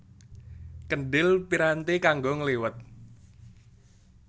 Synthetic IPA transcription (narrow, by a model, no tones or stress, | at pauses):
kənɖɪlpiɾant̪ekaŋɡoŋəliwət̪̚